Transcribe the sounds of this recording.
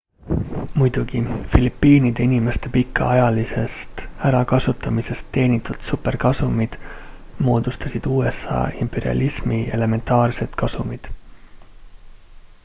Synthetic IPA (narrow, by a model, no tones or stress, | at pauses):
mujd̪̥uɡ̥ifilipˑːiːnid̪̥e̞inime̞st̪e̞pikːˑɑ̰ɑjɑlise̞st̪æɾɑkɑsut̪ːˑɑmise̞st̪ːe̞ːnit̪ːˑud̪̥supːe̞rkɑsumid̪̥ | mo̞ːd̪̥ust̪ɑsid̪̥uːe̞sɑ̰ːimpe̞ɾiɑ̰lʲʔismie̞̰le̞me̞nt̪ˑɑːrse̞d̪̥kɑsumid̪̥